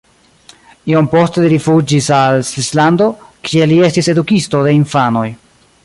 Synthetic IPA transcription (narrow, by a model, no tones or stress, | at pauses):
iompo̞steliɾifud͡ʒisalsvislando̞kʰie̞lie̞stise̞dukisto̞de̞iɱfano̞j